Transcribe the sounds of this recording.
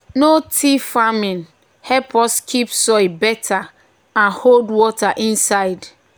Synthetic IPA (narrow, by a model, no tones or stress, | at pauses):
notʰifamĩn | hɛpʰɔskʰipsɔjbɛtʰa | ãnholdwɔtaʔĩnsaɪd